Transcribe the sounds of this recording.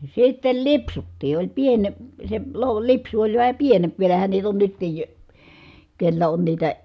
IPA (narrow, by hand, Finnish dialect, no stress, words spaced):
sitːel lipsutːiː olʲ piene se lo lipsu olʲ ʋæhæ pienemp ʋielæhæn niːt on nytːij jo kelːæ on niːtæ